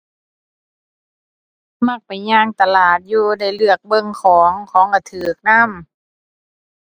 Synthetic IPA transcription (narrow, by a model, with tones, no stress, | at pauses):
ma˧˩k̚pa˨˩jɲaː˧˥˨ŋt̪a˧laː˨˩t̪̚juː˧na˧˩jlɯ˧˩ək̚bɤ˧˨ŋkʰɔː˨˩˦ŋkʰɔː˨˦ŋʔa˧˩t̪ʰɯː˨˩k̚na˧˥˨m